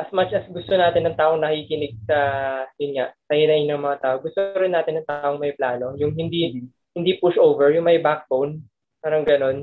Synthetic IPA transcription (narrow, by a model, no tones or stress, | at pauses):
ʔɐsmat͡ʃɐsɡʊst̪o̞naːt̪ɪnːɐŋt̪aːʔo̞ŋnɐkikɪnɪɡ̚sɐjʊnŋaʔsɐhɪnɐʔɪɲonɐŋmɐŋat̪aːʔo̞ɡʊst̪oɾɪnːaːt̪ɪnːɐŋt̪aːʔoŋmɐjplaːno̞jʊŋɦɪnd̪i | hɪnd̪ipʊʃʔowvɛɹjʊŋmɐjbak̚bown | paːɾɐŋɡɐno̞n